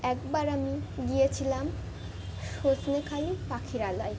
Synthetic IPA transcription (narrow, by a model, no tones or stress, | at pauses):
ɛk̚baɾamiɡijet͡ɕʰilam | ʃosnekʰalipakʰiɾalaj